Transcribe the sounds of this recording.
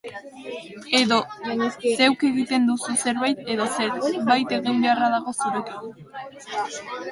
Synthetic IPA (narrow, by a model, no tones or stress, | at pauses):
e̞ðo̞se̞wke̞ɣit̪e̞nd̪ususe̞ɾβajt̪e̞ðo̞se̞ɾβajt̪e̞ɣimbe̞araðaɣ̞o̞suɾeki